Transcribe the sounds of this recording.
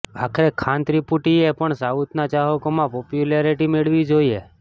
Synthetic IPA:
akʰɾekʰãnt̪ɾipuʈiepəɳsaut̪nat͡ʃaɦəkomãpɔpjulaɾiʈimeɭʋid͡ʒoie

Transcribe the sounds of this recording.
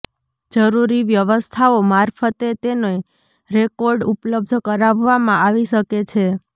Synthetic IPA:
d͡ʒəɾuɾiʋjəʋəst̪ʰaomaɾfʰət̪et̪enoe | ɾekoɾɖupləb̚d̪ʱkəɾaʋʋamãaʋiʃəket͡ʃʰe

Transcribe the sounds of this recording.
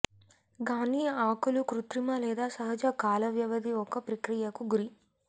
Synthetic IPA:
ɡaːniːaːkulukɾut̪ɾimɐlɛːd̪aːsɐɦɐd͡ʒɐkaːlɐʋjɐʋɐd̪iɔkɐpɾɐkɾijɐkuɡuɾi

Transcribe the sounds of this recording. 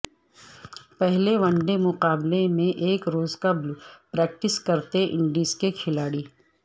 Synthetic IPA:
pɛɦleʋɐ̃ɳɖemʊqaːblemẽʔeːkɾoːzkɐblpɾɛːk̚ʈɪskɐɾt̪eʔɪ̃ɳɖiːskekʰɪlaːɽiː

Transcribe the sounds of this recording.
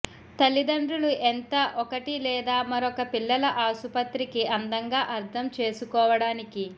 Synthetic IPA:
t̪ɐlːid̪ɐɳɖɾuluʔɛnt̪ɐʔɔkɐʈilɛːd̪aːmɐɾokɐpilːɐlɐʔaːsupɐt̪ɾikiɐnd̪ɐŋɡaːʔɐɾt̪ʰɐmt͡ʃe̞ːsukɔːʋɐɽaːniki

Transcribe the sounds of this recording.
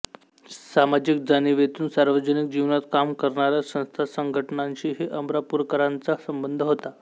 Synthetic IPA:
samad͡ʑik̚d͡zaniʋet̪uːnsaɾʋəd͡ʑənik̚d͡ʑiʋnat̪kamkəɾɳaɾjasə̃ñst̪ʰasəŋɡʱəʈɳaɲt͡ɕiːɦeʔəmɾapuɾkəɾant͡sasəmbənd̪ʱəɦot̪a

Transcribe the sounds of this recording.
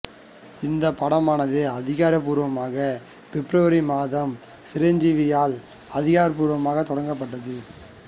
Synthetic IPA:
ɪnd̪ɐpɐɽɐmaːnɐðɯɐðɪɣaːɾɐp̬uːɾʋɐmaːɣɐ | pɛpːɾɐʋɐɾimaːðɐm | sɪɾɐɲd͡ʒiʋɪjaːl | ɐðɪɣaːɾɐp̬uːɾʋɐmaːɣɐt̪ːɔɽɐŋɡɐp̬ːɐʈːɐðɯ

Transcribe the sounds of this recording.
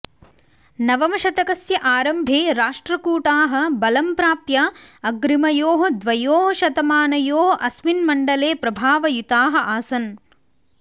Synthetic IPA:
nɐʋɐmɐʃɐt̪ɐkɐsjɐʔaːɾɐmbʱeːɾaːʂʈɾɐkuːʈaːɦɐ̆bɐlɐmpɾaːpjɐɐɡɾimɐjoːɦɐ̆d̪ʋɐjoːɦɐʃɐd̪ɐmaːnɐjoːɦɐʔɐsminmɐɳɖɐleːpɾɐbʱaːʋɐjut̪aːɦɐ̆ʔaːsɐn

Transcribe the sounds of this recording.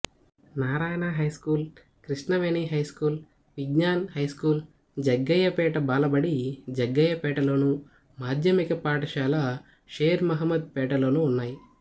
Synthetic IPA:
naːɾaːjɐnaɦɐjskuːl | kɾiʂnɐʋeːniːɦɐjskuːl | ʋiɡɲaːnhɐjskuːl | d͡ʒɐɡːɐjɐpɛːʈɐbaːlɐbɐɽid͡ʒɛɡːɐjɐpɛːʈɐloːnu | maːd̪ʱjɐmikɐpaːʈɐʃaːlɐ | ʃeːɾmɐɦɐmːɐd̪̚pɛːʈɐloːnuːnːaːji

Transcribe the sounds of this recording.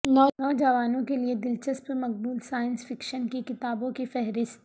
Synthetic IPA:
nɔːnɔːd͡ʒɐʋaːnõkelied̪ɪlt͡ʃəspəɾmɐq̚buːlsaːjənsfɪkʃənkikɪt̪aːbõkifɛɦɾɪst̪

